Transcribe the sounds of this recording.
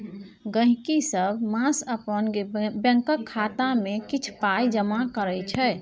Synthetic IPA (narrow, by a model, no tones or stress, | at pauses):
ɡə̃ɦĩkisəbmãsəpənbjə̃ŋkəkʰːat̪amekit͡ʃʰpajd͡ʒəmakəɾət͡ʃʰɛ